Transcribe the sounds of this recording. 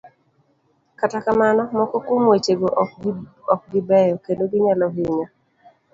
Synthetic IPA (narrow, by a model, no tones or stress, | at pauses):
katakamanɔmɔkɔkomet͡ʃeɡoʔ | ɔk̚ɡɪbɛjɔkedoɡɪɲalɔɦɪɲo